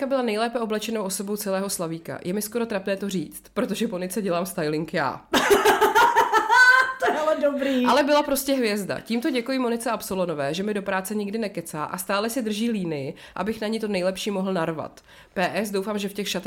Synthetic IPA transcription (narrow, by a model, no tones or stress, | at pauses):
kabɪlanɛjlɛːpɛʔo̞blɛt͡ʃɛnowʔoso̞bo̞wt͡sɛlɛːɦo̞slaviːka̰jʔɛmɪsko̞ɾo̞t̪ɾapnɛːt̪oriːt͡st̪pɾot̪oʒɛponɪt͡sɛɟɛlaːmst̪ajlɪŋkja̰ː | t̪alɛdobɾiːalɛbɪlapɾo̞scɛɦvjɛzda̰ciːmt̪o̞ɟɛkujimo̞nɪt͡sɛapsolono̞vɛːʒɛmɪdo̞pɾaːt͡sɛɲɪɡdɪnɛkɛt͡sa̰ːʔa̰st̪aːlɛsɪd̪r̩ʒiːliːnɪjɪ | ʔa̰bɪxnaɲit̪o̞nɛjlɛpʃiːmo̞ɦl̩naɾva̰t̪ | pɛːʔɛsdo̞wfaːmʒɛfcɛxʃat̪ɛ